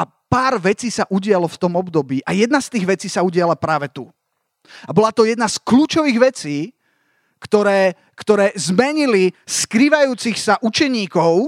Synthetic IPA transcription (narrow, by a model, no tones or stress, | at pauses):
a | paːɾʋɛt͡siːsaʔuɟɪalɔft̪ɔmɔbd̪ɔbiːʔajɛd̪nast̪iːɣʋɛt͡siːsauɟɪalapɾaːʋɛt̪u | abɔlat̪ɔjɛd̪naskluːt͡ʃɔʋiːɣʋɛt͡siː | kt̪ɔɾɛː | kt̪ɔɾɛːzmɛɲiliskɾiːʋajuːt͡sixsaʔut͡ʃɛɲiːkɔʊ